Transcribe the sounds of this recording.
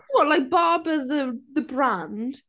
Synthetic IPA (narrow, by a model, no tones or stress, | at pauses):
wɔʔlaɪk̚b̥aːbəðəðəbɹãnd̥